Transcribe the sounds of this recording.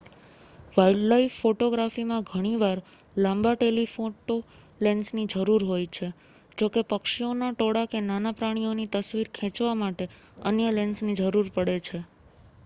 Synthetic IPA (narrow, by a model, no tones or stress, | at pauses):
ʋaiɖlaifːoʈoɡɾafimãɡʱəɽ̃iʋaɾ | lãmbaʈelifoʈo | lensnid͡ʒəɾuɾɦojt͡ʃʰe | d͡ʒokepəkʃionaʈoɽakenanapɾaɽ̃ionit̪əsʋiɾkʰɛ̃t͡ʃʋamaʈe | ə̰njəlensnid͡ʒəɾuɾpəɽet͡ʃʰe